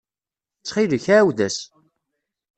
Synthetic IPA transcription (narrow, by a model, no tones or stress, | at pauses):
t͡sːχiləçawðæs